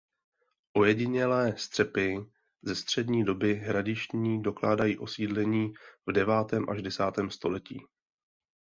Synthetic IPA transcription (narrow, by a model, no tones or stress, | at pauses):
ʔo̞jɛɟɪɲɛlɛːst̪r̥ɛpɪ | zɛst̪r̝̥ɛdɲiːdo̞bɪɦɾadɪʃɲiːdo̞klaːdajiːʔo̞siːdlɛɲiːvdɛvaːt̪ɛːmʔa̰ʒdɛsaːt̪ɛːmst̪o̞lɛcḭː